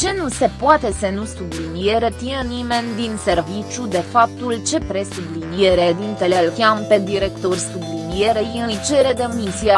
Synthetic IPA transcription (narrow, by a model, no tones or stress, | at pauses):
t͡ʃe̞nuse̞poat̪e̞sənusublinijeɾet̪inenime̞nʲd̪inse̞rvit͡ʃʲud̪e̞fap̚t̪ult͡ʃe̞pɾe̞sublinijeɾed̪int̪elelkʲampe̞d̪iɾe̞kt̪orʲsublinije̞ɾeiɨt͡ʃe̞ɾe̞d̪e̞misia